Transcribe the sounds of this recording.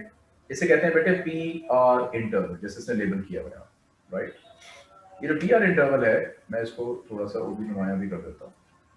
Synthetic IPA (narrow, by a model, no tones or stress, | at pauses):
ɪsːekɛɦt̪eɦɛ̃bɛːʈʰepiːaːɾɪ̃ɳʈəːɾʋəld͡ʒɛːseɪsneleːbəlkija̰ːbə̰ja̰ː | ɾaɪʈ | jed͡ʒoːʈiːaːɾɪ̃ɳʈəɾʋəlɦɛːmɛ̃ːɪskot̪ʰoːɽaːsao̰ːbʱinʊmaːjãbʱikɐɾd̪əeːt̪a̰ɦũ